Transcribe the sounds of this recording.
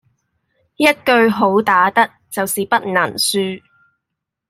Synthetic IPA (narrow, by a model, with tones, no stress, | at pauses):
jɐ˥t̚kɵ˧ɥɦo˨˥wt̪aː˨˥t̪ɐ˥k̚t͡sɐ˨wsiː˨pɐ˥t̚na˨˩nsyː˧